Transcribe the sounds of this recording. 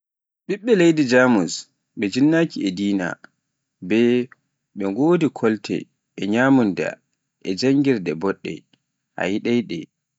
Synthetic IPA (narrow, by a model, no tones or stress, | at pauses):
ɓiɓːɛlejdid͡ʒaːmus | ɓɛd͡ʒinːaːkiɛdiːna̰ | bɛ | ɓɛŋɡoːdikʰɔltʰɛ̰ | ʔɛɲaːmunda̰ | ʔɛd͡ʒaŋɡiɾdɛbɔɗːɛ̰ | ʔa̰jiɗajɗɛ̰